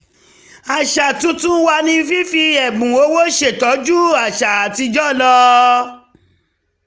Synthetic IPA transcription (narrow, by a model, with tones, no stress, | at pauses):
a˨ʃa˨tũ˧˦tũ˦wa˧nĩ˧˦fi˦fi˧ɛ˨ɡ͡bũ˨o˨˦wo˦ʃe˦˨tɔ˨˦d͡ʒu˦a˨ʃa˨a˨ti˧d͡ʒɔ˦˨lɔ˧˦